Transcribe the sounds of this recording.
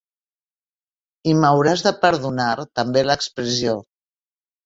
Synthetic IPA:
iməwɾazðəpəɾðunaɾt̪əmbeləkspɾəsio

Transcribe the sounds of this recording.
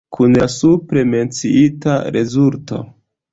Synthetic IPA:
kʰunlasupɾe̞me̞nt͡siitaɾʔe̞zulto̞

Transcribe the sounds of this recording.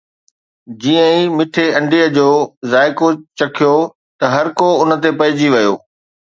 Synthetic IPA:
d͡ʑiːə̃ĩmɪʈʰeɐ̃ɳɖiəd͡ʑoːzaːɪkot͡ɕɐkʰijo | t̪ɐɦɐɾkoʊnət̪epɐɦɪd͡ʑiʋɐjo̰ː

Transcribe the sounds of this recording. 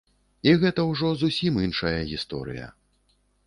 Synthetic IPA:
iɣɛt̪ɐwʐɔzusʲiminʂɐjɐɣʲist̪ɔ̰ɾɨ̰jɐ̰

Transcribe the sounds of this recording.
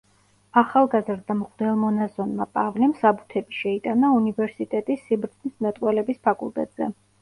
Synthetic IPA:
aχalˠɡazɾd̪amʁʼd̪ɛlˠmɔnazɔnmapʼavlɛmsabut̪ʰɛbiʃɛit̪ʼanaunivɛɾsit̪ʼɛt̪ʼisːibɾd̪znismɛt̪ʼqʼwɛlɛbispʰakʼṵlˠt̪ʼɛ̰t̪ʼz̥ɛ̰

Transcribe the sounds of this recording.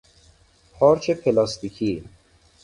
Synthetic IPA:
pʰɒːɾt͡ʃʰepʰelɒːst̪ikʰi

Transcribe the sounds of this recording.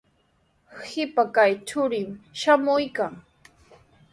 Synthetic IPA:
hɪpakajt͡ʃʊɾɪmʃamʊjkaŋ

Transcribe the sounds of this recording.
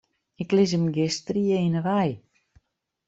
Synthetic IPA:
ɪklɪs̬əmɡɪstriəinəʋaj

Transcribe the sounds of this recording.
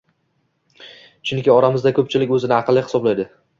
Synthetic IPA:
t͡ʃʰʊŋkʲɪɒɾamɪzd̪akʰɵp̚t͡ʃʰɪlɪkʲɵzɪnɪɑqʰɨlːɪhɪ̥sɒblajd̪ɪ

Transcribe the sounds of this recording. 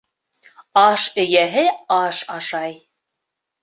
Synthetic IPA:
ɑʃɘ̆jæɦɘɑʃɑʃɑj

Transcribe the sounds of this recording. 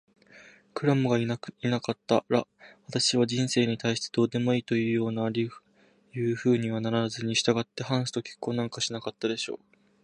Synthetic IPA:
kɯ̟ɾamɯ̟ɡaiainakat̪ːa̰ɾaβat̪aɕiβad͡ʑĩɰ̃se̞ːɲ̟it̪aiɕi̥t̪ed̪̥o̞ːd̪e̞mo̞iːt̪o̞jɯ̟ːjo̞ːnaːɾʲiɯ̥ | jɯ̟ːɸɯ̟ːɲ̟iβanaɾaazɨɲ̟iɕi̥t̪aɡat̪ːe̞hãɰ̃sɨ̥t̪o̞kʲi̥kːo̞ːnãŋkaɕinakat̪ːad̪e̞ɕo̞̰ː

